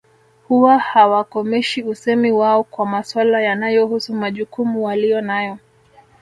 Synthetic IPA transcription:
huwahawakɔmɛʃiusɛmiwaɔkwamaswalajanajɔhusumaʄukumuwalijɔnajɔ

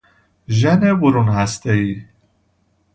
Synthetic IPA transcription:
ʒænebuɾunhæst̪ei

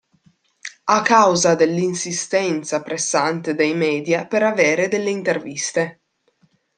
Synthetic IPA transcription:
akːawzad̪elːinsist̪ɛnt̪sapɾesːant̪ed̪ejmɛːd̪japeɾaveːɾed̪elːeint̪ervist̪e

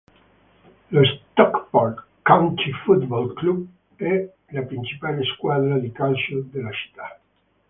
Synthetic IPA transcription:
lost̪ɔkbɔl | kːawnt̪ifut̪bɔlklub | ɛ | lapɾint͡ʃipaleskwad̪ɾad̪ikalsod̪elat͡ʃi̥t̪ːa

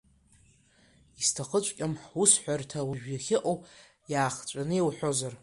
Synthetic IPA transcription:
istʰaχət͡ʃʷʼkʲʼamħusħʷartʰawuʒᶣjaχʲɪʔʼowʼ | jaːχt͡ʃʷʼanɨjewħʷᶣo̞zar

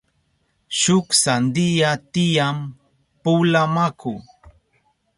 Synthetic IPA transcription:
ʃʊksand̪ijat̪ijam | pulamakʰu

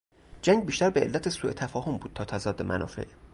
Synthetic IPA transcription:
d͡ʒæŋɡbiːʃt̪æɾbeelːæt̪ʰesuːet̪ʰæfɒːhombuːd̪̚t̪ʰɒːt̪ʰæzɒːd̪ːemʔæ̰nʔɒ̰ːfe̞̰ʔ

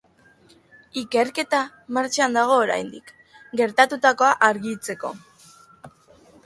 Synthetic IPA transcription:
ike̞ɾke̞t̪a | maɾt͡ʃand̪aɣ̞o̞ːɾa̰jnd̪ik | ɡe̞ɾt̪at̪ut̪ako̞aʔaɾɣit͡se̞ko̞̰

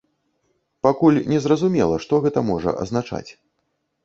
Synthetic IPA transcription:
pakulʲnʲɛzrɐzumʲɛlˠɐʂt̪ɔɣɛt̪ɐmɔʐɐ̰ʔɐ̰znat͡ʂa̰t͡sʲ

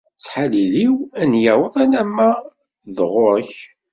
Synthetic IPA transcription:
t͡sːħaliliwænjawəðˤænæmːæ | ðʁʊɾˤəç

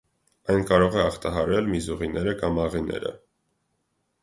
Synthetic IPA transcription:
ɑjnkɑɾɔʁɛɑχt̪ɑɦɑɾɛlmizuʁinɛɾəkɑmɑʁinɛ̰ɾə̰

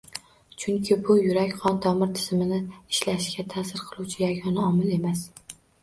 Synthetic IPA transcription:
t͡ʃʰʊŋkʲʰɪbʊjʊɾakʲqʰɒnt̪ʰɒmɪɾt̪ʰɪ̥z̥mɪnɪɪʃlaʃɡʲat̪ʰaːsɪɾqʰɨlˠuwt͡ʃʰɪjaɡʲɒnaɒmɪle̞mas

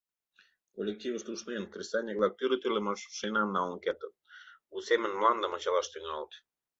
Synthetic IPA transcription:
kolʲek̚tʲivəʃt̪ˠuʃnenkrʲist̪ɑlʲnʲeklɑk̚t̪yɾət̪ylemɑʃʃenɑnːɑlnɤket̪ə̆nusemə̆nmlˠɑnd̪əmɑt͡ɕɑlˠɑʃt̪yŋɑlt̪

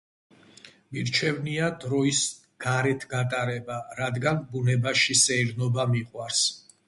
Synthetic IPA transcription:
biɾt͡ʃʰɛvniad̪ɾɔis | ɡ̥aɾɛt̪ʰɡat̪ʼaɾɛbaɾad̪ɡanbunɛbaʃisɛiɾnɔbamiqʼwaɾs

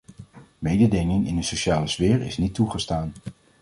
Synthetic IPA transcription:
mejdədɪŋɪŋɪ̰ndəsoʃaːləz̥vɪːɹɪ̰snitːuχəstaːn

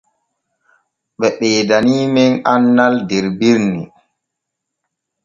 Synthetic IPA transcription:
ɓɛɓɛːdaniːmɛnanːaldɛɾbiɾni

